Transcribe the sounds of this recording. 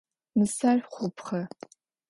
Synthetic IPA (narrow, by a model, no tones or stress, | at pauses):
mɨsarχʷʊpχɐ